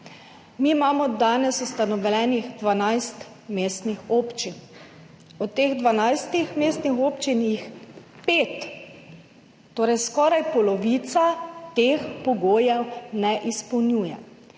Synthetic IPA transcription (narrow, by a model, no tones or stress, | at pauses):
miːmaːmɔd̪aːnɛsust̪anɔʋlɛːnixd̪ʋanajst̪ | meːst̪nixopt͡ʃin | ɔt̪eːɣd̪ʋanajst̪ixmeːst̪nixoːpt͡ʃinixpeːt̪ | oːɾɛjskɔːɾajpɔlɔʋiːt̪sat̪eːxpɔɡoːjɛwnɛʔispɔwnjuːjɛ̰